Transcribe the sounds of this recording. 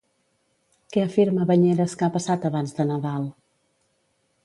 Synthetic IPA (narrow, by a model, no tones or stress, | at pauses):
kɛəfiɾməβəɲɛɾəskapəsat̪əβanzðənəðalˠ